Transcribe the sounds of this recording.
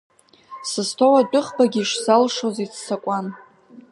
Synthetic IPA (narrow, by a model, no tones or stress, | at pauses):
sɨstʰowat͡pʷʼʊχbaɡʲiʂzalʂozit͡sʰsakʷʼan